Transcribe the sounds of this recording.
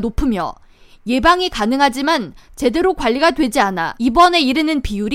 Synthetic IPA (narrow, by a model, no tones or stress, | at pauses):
nopʰɯmjʌ̰ | je̞baŋikanɯŋɦad͡ʑimant͡ɕe̞de̞ɾokwaʎːiɡadwe̞d͡ʑiana̰ibʌne̞iɾɯnɯnpijuɾ